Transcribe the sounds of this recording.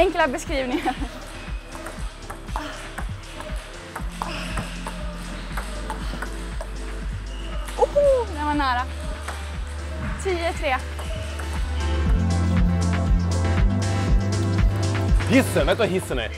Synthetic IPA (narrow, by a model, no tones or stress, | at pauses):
ɛŋklabɛskɾiːvnɪŋaɾ | uhd̪ɛmanæːɾa | t̪ʰiːət̪ʰɾeː | hɪsːənvet̪əvaɦɪsːənɛ̰